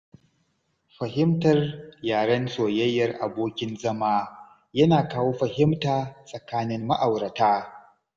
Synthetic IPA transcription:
ɸɐ˨ɦɪ˦mtɐ˨rjaː˨ɽɐ˦nsoː˨jɐ˦jːɐ˦˨rʔa˨boː˦kʲɪ˦nzɐ˦maː˦ | jɐ˦naː˨kaː˦woː˦ɸɐ˨hɪ˦mtaː˨sʼɐ˨kaː˦nɪ˦mːɐ˦ʔa˨wɾɐ˨taː˦

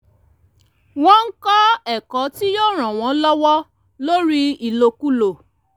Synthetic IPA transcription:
w̃ɔ̃˦n̩˦kɔ˦ɛ˦˨kɔ˨˦ti˦jɔ˦˨ɾ̃ã˨w̃ɔ̃˨˦lɔ˦wɔ˦ | lo˦ɾi˦i˨lo˧ku˦lo˨

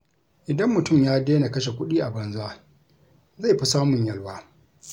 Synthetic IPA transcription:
ʔɪ˨dɐ˦mːʊ˨tʊ˦˨mjaː˦deː˦na˨kɐ˦ʃ̬e˨kʷʊ˦ɗiː˦ʔa˨bɐ˨nzʊ˦aː˦ | za˦˨jɸi˦saː˦mʊ˨ɲjɐ˦lwaː˦

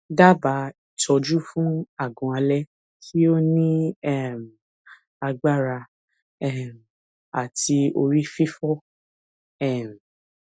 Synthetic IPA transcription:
da˦ba˨˧˦i˨tʰɔ˧d͡ʒu˦fũ˦a˦˨ɡɔ̃˨˦a˧lɛ˦ | kʰi˦o˦nĩ˦ɛ˦˨m̩˨ | a˧ɡ͡ba˦˨ɾa˧ | ɛ˦˨m̩˨ | a̰˨ti˧o˧ɾi˦fi˦fɔ˦ | ɛ˦˨m̩˨

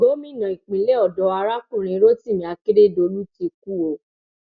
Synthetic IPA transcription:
bo˨˦mĩ˦˨nã˨i˨k͡pĩ˨le˦ɔ˦˨dɔ˧˦a˧ɾa˦kũ˦˨ɾ̃ĩ˧˦ɾo˦ti˦˨mĩ˨a˧ki˦ɾe˦˨do˧˦lu˦ti˧ku˦o˨

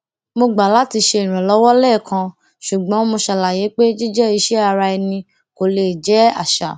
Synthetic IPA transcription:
mo˧ɡ͡ba˨la˨˦ti˧ʃe˧i˨ɾ̃ɛ̃˨lɔ˨˦wɔ˦lɛ˦˨kʰã˧ | ʃu˨ɡ͡bɔ̃˨˦mo˧ʃa˧la˨je˨˦k͡pe˦d͡ʒi˦d͡ʒɛ˦i˧ʃɛ˦a˧ɾa˧ɛ˧nĩ˧ | ko˨le˨d͡ʒɛ˨˦a̰˦˨ʃa˨

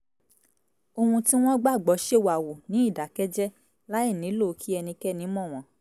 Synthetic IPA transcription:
o˧hũ˧ti˦w̃ɔ̃˦ɡ͡ba˦˨ɡ͡bɔ˨˦ʃe˦˨wa˨wo˨nĩ˨˦i˦˨da˨kɛ˦d͡ʒɛ˦ | la˦i˦˨nĩ˨˦lo˦˨˦kʰi˦ɛ˧nĩ˧kɛ˦nĩ˨˦mɔ̃˦˨w̃ɔ̃˨˦

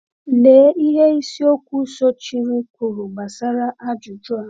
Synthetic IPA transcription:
leː˨˦i˦ɦe˦i˦si˦o˦kʷu˦sɔ˦t͡ʃi˦ɾi˦kʷu˨ɾu˨ma˨sa˦ɾa˦ʔa˦d͡ʒʊ˨d͡ʒʊ˦a˨˦

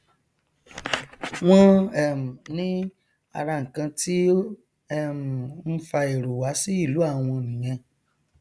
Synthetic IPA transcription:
w̃ɔ̃˦ɛ˨m̩˨nĩ˦ | a̰˧ɾa˧ŋ̩˨kã˧tʰi˦ | ɛ˦˨m̩˨n̩˦fa˧e˨ɾo˨wa˨˦si˦i˦˨lu˨˦a˦˨w̃ɔ̃˧nĩ˨j̃ɛ̃˧

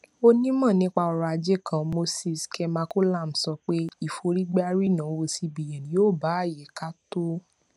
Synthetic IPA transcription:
o˦nĩ˦mɔ̃˦˨nĩ˦k͡pa˧ɔ˧ɾɔ˧a˧d͡ʒe˦˨kã˧˨mo˦si˧˨skʰɛ˧mãː˧˦ko˦la˦˨m̩˨sɔ˧k͡pe˦i˦˨fo˧ɾi˦ɡ͡ba˦ɾi˦˨nã˨˦wo˧si˧bi˨jɛ̃˨nĩ˨˦oː˦˨ba˨˦˨jɛ˨˦ka˦to˦

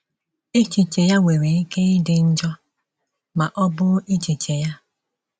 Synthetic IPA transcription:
e˦t͡ʃi˨t͡ʃe˨ja˦ŋʷe˨ɾe˨i˦ke˦dɪ˨n̩˦d͡ʒɔ˦ | ma˨ʔɔ˦bʊ˦i˦t͡ʃi˨t͡ʃe˨ja˦

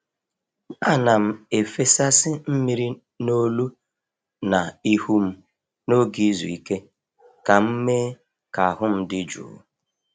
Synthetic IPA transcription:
a˦na˨m̩˨e˨fe˦sa˦sɪ˦m̩˦mi˦ɾi˦ | no˦lu˦ | na˨i˦hu˦m̩˦ | no˦ɡi˦zṵ˨i˦ke˦ | ka˨m̩˦me˦ | ka˨a˨ɦʊ˦m̩˦dɪ˦d͡ʒṵ˨

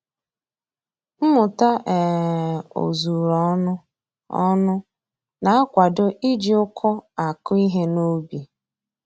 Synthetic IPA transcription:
m̩˦mʊ˨ta˦ʔɛ˨ | o̰˨zu˨ɾɔ˦nʊ˦ | ɔ̰˦nʊ˦ | na˨a˦kʷa˨dʊ˦ʔi˦d͡ʒi˦ʊ˦kʰʊ˦a˨kʊ˦i˦ɦe˦no˦bi˨

